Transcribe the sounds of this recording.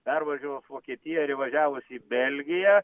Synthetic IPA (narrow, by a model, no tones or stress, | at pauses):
pʲɛrʋɐʒʲuʋosʋoːkʲiɛt̪ʲɪjɛɾʲɪʋɐʒʲæːʋʊsʲiːbʲɛlʲɡʲɪjɛ